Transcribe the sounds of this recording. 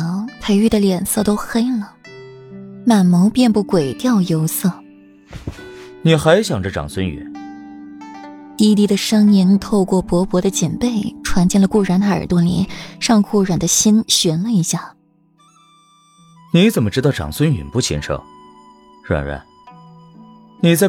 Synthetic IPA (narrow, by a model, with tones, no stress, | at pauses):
pʰe˧˥ɪy˥˩d̪ə˩ljɛ˨˩nsɤ˥˧t̪o˥ʊxe˥ɪlə˨ | ma˨˩nmo˧˥ʊpjɛ˥˧npu˥˩kwe˨˩ɪt̪jɑ˥˩ʊjo˥ʊsɤ˥˩ | ni˨˩xa˧˥ɪɕjɑ˨˩ŋʈ͡ʂə˧ʈ͡ʂɑ̰˨˩ŋswə˥ny̰˨˩˦n | t̪i˥t̪i˥˩d̪ə˨ʂɤ˥ŋi˧˥ŋt̪ʰo˥˧ʊkwɔ˥˩pwɔ˧˥pwɔ˧˥d̪ə˧t͡ɕi˨˩npe˥˩ɪʈ͡ʂʰwa˧˥nt͡ɕjɛ˥˩nlə˩ku˥˩ɻa˧˥nt̪a˥˩ə̰˞˨˩t̪wɔ˥lḭ˧˥nʂɑ˥˧ŋkʰu˥˩ɻwa˨˩nd̪ə˦ɕi˥nɕɥɛ˧˥nlə˧i˧˥ɕja˥˩ | ni˧˥t͡sə˨˩nmə˦ʈ͡ʂɻ̩˥t̪ɑ˥˩ʊʈ͡ʂɑ̰˨˩ŋswə˥ny̰˨˩npu˥˩t͡ɕʰḭ˧˥nʂʰɤ̰˥˩ | ɻa̰˨˩nɻa̰˧˥˦n | ni˨˩t͡sa˥˩ɪ